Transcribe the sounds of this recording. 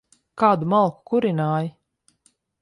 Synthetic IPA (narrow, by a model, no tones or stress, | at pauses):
kaːd̪umalˠku̥kuɾinaːji